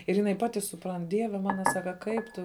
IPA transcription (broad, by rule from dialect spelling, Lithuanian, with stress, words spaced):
ɪr jɪˈnɐɪ ˈpɑːtʲɪ sʊˈprɐnt ˈdʲiɛʋʲɛ ˈmɑːnɐ ˈsɑːkɐ ˈkɐɪp tʊ